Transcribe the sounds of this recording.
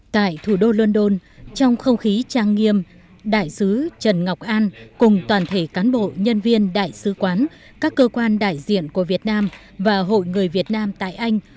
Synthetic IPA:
t̪a̰ː˧˨jt̪ʰu˧˩ɗo˧lwə˧nɗo˧nt͡ɕɔ˧wŋ͡mxə˧wŋ͡mxi˨˦t͡ɕaː˧ŋːi˧əm | ɗa̰ː˧˨jsɨ˨˦t͡ɕə˨˩nŋa˨˩wk͡p̚ʔaː˧nkʊ˨˩ŋ͡mt̪waː˨˩nt̪ʰe˧˩kaː˨˦nɓo̰˧˨ɲə˧nvi˧ənɗa̰ː˧˨jsɨ˨˦kwaː˨˦n | kaː˦˥kːəː˧kwaː˧nɗa̰ː˧˨jzḭ˧˨ənku˧˩əvi˨˩ət̚naː˧m | vaː˨˩ɦo̰˧˨jŋɨ˨˩əjvi˨˩ət̚naː˧mt̪a̰ː˧˨jʔa˧jŋ̟

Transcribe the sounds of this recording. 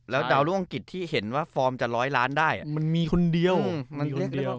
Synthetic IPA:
lɛː˦˥wda˧wluː˦˥˩ʔa˧ŋki˨˩t̪ʰːiː˥˩he˩˦nwaː˥˩fɔː˧mt͡ɕa˨˩ɾɔː˦˥jlaː˦˥ndaː˥˩jʔa̰˨˩ma˧nmiː˧kʰo˧ndi˧əwɯ˧˩ma˧nɾi˥˩k̚ː

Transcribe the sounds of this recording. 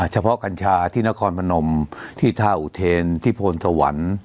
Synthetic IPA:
t͡ɕʰa˧pʰɔ˦˥ʔka˧nt͡ɕʰaː˧t̪ʰiː˥˩na˦˥kʰɔː˧npʰa˧no˧mt̪ʰiː˥˩t̪ʰaː˧˩ʔu˨˧˩t̪ʰeː˧nt̪ʰiː˥˩pʰoː˧nsa˧wa̰˩˦n

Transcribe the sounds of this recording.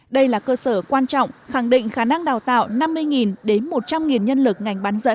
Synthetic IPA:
ɗə˧jlaː˨˩kəː˧səː˧˩kwaː˧nt͡ɕɔ̰˧˨wŋ͡mxa˧˩ŋɗḭ˧˨ŋ̟xaː˧˩na˧ŋɗaː˨˩wt̪a̰ː˧˨wna˧mːɨ˧əjŋi˨˩nɗe˨˦nmo˨˩t̚t͡ɕa˧mŋi˨˩nɲə˧nlɨ˨˩k̚ŋa˨˩jŋ̟ɓaː˨˦nzə̰˧˥n

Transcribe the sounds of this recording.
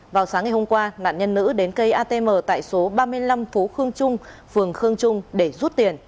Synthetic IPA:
vaː˨˩wsaː˨˦ŋːa˨˩ho˧ŋ͡mkwaː˧na̰ː˧˨nɲə˧nːɨ̰˧˥ɗe˨˦nkə˧jʔaː˧t̪e˧məː˨˩t̪a̰ː˧˨jso˨˦ɓaː˧mɨ˧əjla˧mfo˨˦xɨ˧əŋt͡ɕʊ˧ŋ͡mfɨ˨˩əŋxɨ˧əŋt͡ɕʊ˧ŋ͡mɗe˧˩zu˦˥t̚t̪i˨˩ən

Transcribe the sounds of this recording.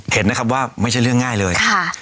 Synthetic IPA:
he˩˦nːa˦˥kʰa˦˥p̬̚waː˥˩ma˥˩t͡ɕʰa˥˩jɾɯ˥˩əŋːaː˥˩jlɤː˧jʰa˥˩

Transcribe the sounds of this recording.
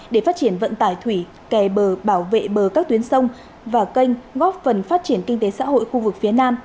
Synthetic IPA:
ɗe˧˩faː˦˥t̚t͡ɕi˧˩ənvə̰˧˨nt̪aː˧˩jt̪ʰwi˧˩ | kɛ˨˩ɓəː˨˩ɓaː˧˩wvḛ˧˨ɓəː˨˩kaː˦˥k̚t̪wi˨˦ənsə˧wŋ͡m | vaː˨˩kə˧jŋ̟ɣɔ˦˥p̚fə˨˩nfaː˦˥t̚t͡ɕi˧˩ənkï˧ŋt̪e˨˦sa̰ː˧˥ho̰˧˨jxu˧vɨ˨˩k̚fi˨˦ənaː˧m

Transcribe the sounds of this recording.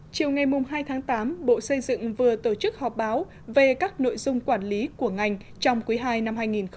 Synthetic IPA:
t͡ɕi˨˩əwŋa˨˩jmʊ˨˩ŋ͡mɦaː˧jt̪ʰaː˨˦ŋt̪aː˨˦mɓo̰˧˨sə˧jzɨ̰˧˨ŋvɨ˨˩ət̪o˧˩t͡ɕɨ˦˥k̚hɔ˨˩p̚ɓaː˨˦w | ve˨˩kaː˦˥k̚no̰˧˨jzʊ˧ŋ͡mkwaː˧˩nli˨˦ku˧˩əŋa˨˩jŋ̟ | t͡ɕɔ˧wŋ͡mkwi˨˦ɦaː˧jna˧mhaː˧jŋi˨˩nx

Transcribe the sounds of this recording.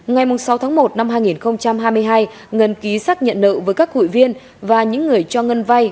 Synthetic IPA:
ŋa˨˩jmʊ˨˩ŋ͡msa˨˦wt̪ʰaː˨˦ŋmo˨˩t̚na˧mɦaː˧jŋi˨˩nxə˧wŋ͡mt͡ɕa˧mɦaː˧jmɨ˧əjɦaː˧j | ŋə˨˩nki˨˦saː˦˥k̚ɲə̰˧˨nlə̰˧˨vəː˨˦jkaː˦˥khṵ˧˨jvi˧ən | vaː˨˩ɲɨ̰˧˥ŋːɨ˨˩əjt͡ɕɔ˧ŋə˧nva˧j

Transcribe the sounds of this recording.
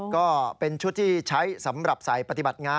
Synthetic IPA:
kɔː˥˩pe˧nt͡ɕʰu˥˩t̪ʰːiː˥˩t͡ɕʰa˦˥jsa˩˦mɾa˨˩p̚saː˨˩jpa˧t̪i˨˩ba˨˩t̪̚ŋaː˧

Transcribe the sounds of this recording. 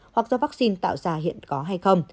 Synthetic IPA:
hwa˨˩k̚zɔ˧vaː˦˥k̚si˧nt̪a̰ː˧˨wzaː˧˩hḭ˧˨ənkɔ˨˦ɦa˧jxə˧wŋ͡m

